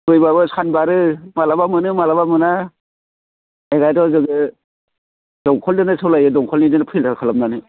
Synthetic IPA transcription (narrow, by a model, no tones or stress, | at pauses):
bɯjbabɯsanbaɾɯmalabamɯnɯmalabamɯna | eɡajdɔzɯɡɯ | d̥ɔŋkʰɔldɯnɯsɯwlajɯdɔŋkʰɔlnidɯnɯpʰiltʰakʰalamnanɯ